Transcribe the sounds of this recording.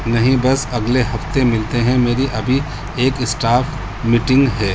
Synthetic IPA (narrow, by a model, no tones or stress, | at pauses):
nɐɦĩbɐsɐɡleɦɐft̪emɪlt̪eɦɛ̃meːɾiʔɐbʱi | eːkɪsʈaːf | miːʈɪ̃ŋɡɦɛː